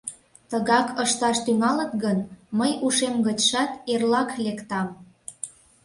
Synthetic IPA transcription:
t̪əɣɑkʰəʃt̪ɑʃt̪yŋɑlə̆t̪ɣənməjuʃemɣət͡ɕʃɑt̪erlɑklekt̪ɑm

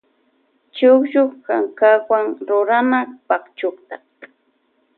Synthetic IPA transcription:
t͡ʃʊkʃʊχːaŋkakwaŋɾʊɾanapakt͡ʃʊkt̪a

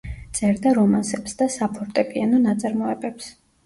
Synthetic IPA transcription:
t̪sʼɛɾd̪aɾɔmansɛpsd̪asapʰɔɾt̪ʼɛpʼianɔnat̪sʼaɾmɔɛbɛps

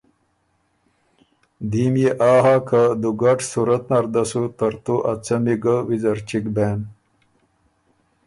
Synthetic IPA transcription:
d̪iːmjeʔaːɦakad̪uɡaʈsuɾɐt̪nɐɾd̪ɐsut̪ɐɾt̪uʔɐt͡sɐmiɡawizɐɾt͡ɕikbeːn

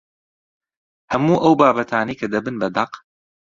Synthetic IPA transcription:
hɐmuːʔɐwbaːbɐt̪ʰaːnijkʰɐd̪ɐbɨnbɐd̪ɐq

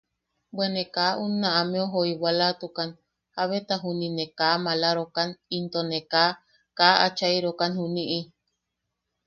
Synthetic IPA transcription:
bwenekaʔunːãʔamẽoɦoiwalat̪ukan | haβet̪aɦuninekaːmalaɾokanint̪oneka | kaat͡ʃaiɾokanhuniʔi

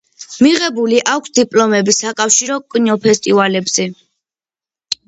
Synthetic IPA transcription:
miʁɛbuliʔakʷʰsd̪ipʼlɔmɛbisakʼafʃiɾɔkʼɲɔpʰɛst̪ʼivalɛbz̥ɛ

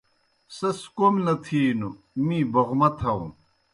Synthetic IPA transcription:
sɐskomlɐt̪ʰiːnu | mĩːbɐʁmɐt̪ʰɐu

